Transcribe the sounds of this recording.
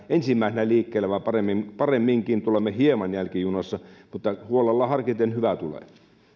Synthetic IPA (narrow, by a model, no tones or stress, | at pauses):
ensimːæˑisenæliːkːeːlːˑæʋɑipɑremːimpɑremːiŋkint̪ulemːehiemɑnjælkijunosːɑmut̪ːɑhuolelːɑhɑrkit̪enhyʋæt̪ulḛˑ